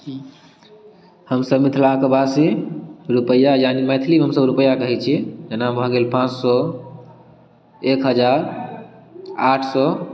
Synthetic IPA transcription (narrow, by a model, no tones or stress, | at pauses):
həmsəbmit̪ʰlakəbasiɾupəjajanimət̪ʰlimɦəmsəbɾupəjːakəɦit͡ʃʰid͡ʒenabʱəɡelpãt͡ʃsɔ | ekɦəd͡ʒaɾ | aʈʰsɔ